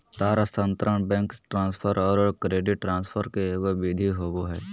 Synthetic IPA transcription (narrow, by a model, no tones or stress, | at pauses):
t̪aːɾast̪ənt̪ɾəɳbɛ̃ːŋkʈɾãːnspʰəɾɔːɾkɾeːɖɪʈːɾãːnspʰəɾkeeːkobid̪ʱiɦoːboɦɛː